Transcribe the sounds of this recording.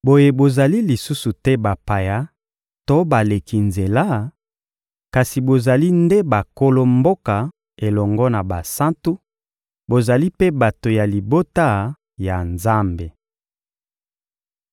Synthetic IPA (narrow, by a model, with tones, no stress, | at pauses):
bo˨je˦˨bo˨za˨li˦li˨su˦su˨tɛ˦ba˨pa˨ja˦ | to˦ba˨le˨kʰi˨nze˨la˦ | ka˨si˨bo˨za˨li˦nde˦ba˨ko˦lo˦mbo˦ka˨ | e˨lɔ˨ŋɡɔ˦na˨ba˨sa˦ntu˦ | bo˨za˨li˦pe˦ba˨to˨ja˨li˨bo˦ta˦ | ja˨nza˦mbe˨